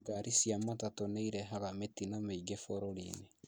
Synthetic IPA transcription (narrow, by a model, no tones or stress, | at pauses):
ɡaɾisijamatatoneiɾɛɦaɣametinameiɡefoɾoɾine